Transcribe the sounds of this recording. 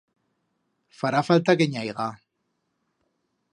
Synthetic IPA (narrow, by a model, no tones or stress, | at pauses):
faɾafalt̪aɣeɲajɣa